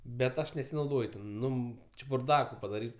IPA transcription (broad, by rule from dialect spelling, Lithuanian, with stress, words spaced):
bʲɛt ˈɐʃ nʲɛsʲɪnɐʊˈdoːj tʲɛn ˈnʊ t͡ʃʲɪ bʊrˈdɑːkʊ pɐdɐˈrʲiːt